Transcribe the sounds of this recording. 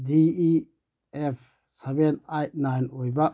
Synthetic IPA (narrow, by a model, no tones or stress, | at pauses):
dii | ep̚ʰ | sebenajt̚najnojba